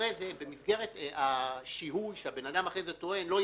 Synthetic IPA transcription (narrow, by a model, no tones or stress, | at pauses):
ejzebe̞misɡe̞ʁe̞t̪aʃiɦujʃeabe̞nadamaχezet̪o̞e̞nlo̞